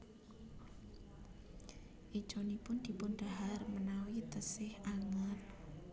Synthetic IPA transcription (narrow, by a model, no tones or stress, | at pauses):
ʔid̥ʒ̥onipʊnd̪̥i̤pʊnɖ̥aɦarmənawit̪əsɪhaŋat̪̚